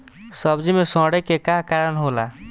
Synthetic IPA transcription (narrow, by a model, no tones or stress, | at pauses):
səbd͡ʒimesɔ̃ɽekekakaɾənɦola̰